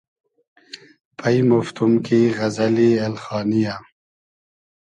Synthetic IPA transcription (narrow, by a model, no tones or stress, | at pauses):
pʰɐimoft̪umkiɣɐzɐlielxɑːnija